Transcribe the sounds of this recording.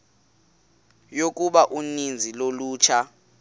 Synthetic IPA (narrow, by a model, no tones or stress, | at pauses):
jok̬ʼuɓaʔunind͡zʱiloluːt͡ʃʰa